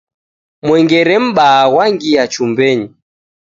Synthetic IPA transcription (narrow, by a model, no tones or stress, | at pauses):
mwɛŋɡɛɾɛm̩ɓaːwaŋɡiat͡ʃumbɛɲi